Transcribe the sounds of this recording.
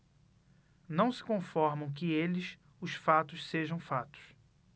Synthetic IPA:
nɐ̃w̃sɪ̥kõfɔɾmɐ̃w̃k̬ɪelɪs | ʊsfat̪ʊsseʒɐ̃w̃fat̪ʊ̥s

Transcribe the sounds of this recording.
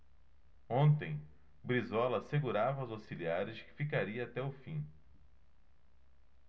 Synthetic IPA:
õnt̪ẽj̃ | bɾizɔlɐseɡuɾavɐʊzasiliaɾɪʃkɪ̥fikaɾiɐːt̪ɛʊfĩ

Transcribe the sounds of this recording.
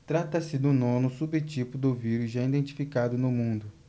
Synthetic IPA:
t̪ɾat̪ɐsɪd̪ʊnõnʊsubet͡ʃipʊd̪ʊviɾusʒaid̪ẽnt͡ʃi̥fikad̪ʊnʊmũnd̪ʊ

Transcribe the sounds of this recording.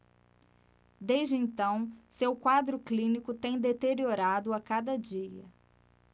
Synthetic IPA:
d̪ejʒd͡ʒɪẽnt̪ɐ̃w̃sewkwad̪ɾʊklĩnikʊt̪ẽj̃d̪et̪eɾioɾad̪ʊakad̪ɐd͡ʒiɐ

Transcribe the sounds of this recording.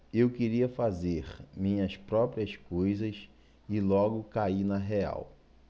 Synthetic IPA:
ewkeɾiɐfazeɾmĩɲɐspɾɔpɾiɐskojzɐs | ɪlɔɡʊkainɐɦea̰w

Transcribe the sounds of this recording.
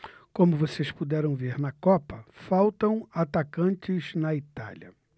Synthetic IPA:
kõmʊvosespud̪ɛɾɐ̃w̃veɾnɐkɔpɐfawt̪ɐ̃w̃at̪akɐ̃nt͡ʃɪznɐit̪a̰lɐ̰

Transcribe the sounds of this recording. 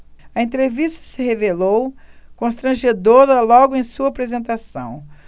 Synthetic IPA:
ɐẽnt̪ɾevist̪ɐ̥sɪɦevelowkõst̪ɾɐ̃ʒed̪oɾɐlɔɡʊẽj̃suɐaːpɾezẽnt̪asɐ̰̃w̃

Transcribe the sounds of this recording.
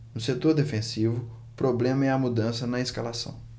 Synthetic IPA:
nʊset̪oɾd̪efẽsivʊ | pɾoblẽmɐɛɐmud̪ɐ̃sɐnɐeskalasɐ̰̃w̃

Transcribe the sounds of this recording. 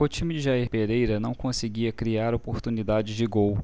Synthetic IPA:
ʊt͡ʃĩmɪd͡ʒɪʒaiɾpeɾejɾɐnɐ̃w̃kõsɪɡiɐkɾiaɾopoɾt̪unid̪ad͡ʒɪzd͡ʒɪɡow

